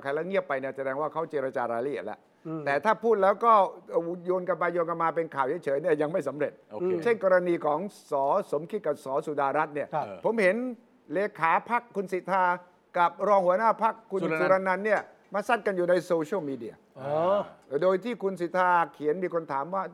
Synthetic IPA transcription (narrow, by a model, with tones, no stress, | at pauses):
kʰa˧jlɛː˦˥ŋi˥˩əpːa˧jni˥˩sa˧dɛː˧ŋwaː˥˩kʰa˦˥˩wt͡ɕeː˧ɾa˧t͡ɕaː˧ɾaː˧jɾa˧˥ʔi˨˩ət̪lɛ̰˦˥ʔ | t̪ɛː˨˩t̪ʰaː˥˩pʰuː˥˩t̪̚lɛː˦˥wkɔː˥˩˨joː˧nka˧npa˧joː˧nka˧nmaː˧p̬e˧nkʰaː˨˩wt͡ɕʰjt͡ɕʰɤː˨˦ni˥˩ɐja˧ŋma˥˩jsa˩˦mɾe˨˩t̪̚o˧t͡ɕʰe˥˩ŋkɔː˧ɾa˧niː˧kʰɔː˩˦ŋsɔː˩˦so˨˩˦mkʰi˦˥t̪̚ka˨˩p̚sɔː˩˦su˨˩daː˧ɾa˦˥t̪̚ni˥˩ɐpʰo˩˦mhe˩˦n | leː˧kʰaː˩˦pʰa˦˥kʰːu˧nsi˨˩t̪ʰːaː˧ | ka˨˩p̚ɾɔː˧ŋhu˩˦ɐnaː˥˩pʰa˦˥kʰːu˧nu˧ɾa˧nːa˧nːi˥˩ɐ | maː˧sa˥˩nka˧njuː˨˩na˧jsoː˧t͡ɕʰwmiː˧di˧ɐ | doː˧jt̪ʰiː˥˩kʰu˧nsi˨˩t̪ʰaː˧kʰi˨˩˦ənmiː˧kʰo˧nt̪ʰaː˩˦mwaː˥˩